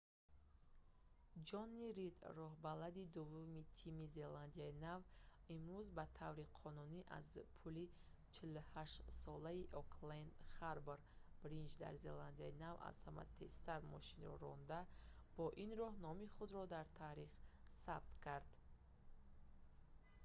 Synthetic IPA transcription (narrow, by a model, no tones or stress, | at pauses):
d͡ʒɔnːiɾid̪ɾɔɦbalad̪id̪uvːumit̪ʰimize̞land̪iainavimɾuzbat̪ʰavɾiqʰɔnuniʔa̰zpʰuli | t͡ʃʰiluhaʃt̪sɔlaiʔɔkʰlend̪χaɾbeɾb̥ɾind͡ʒd̪a̰ɾzḛland̪iainava̰z̥hama̰t̪ʰe̞st̪aɾmɔʃinɾɔ̰ɾɔnd̪ab̥ɔʔinɾɔhnɔmiχud̪ɾɔd̪aɾt̪ʰaɾiχsab̚t̪kʰaɾd̪̥